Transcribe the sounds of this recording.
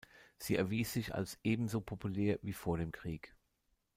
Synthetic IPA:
z̥iːɛɐviːsz̥ɪça̰lsʔeːbm̩zopʰopʰuleːɐviːfoːɐɾeːmkʁ̥iːk

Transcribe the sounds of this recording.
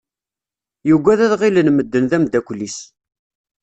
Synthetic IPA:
juɡʷæðæðʁilənməd̪ːənðæmd̪ækʷlis

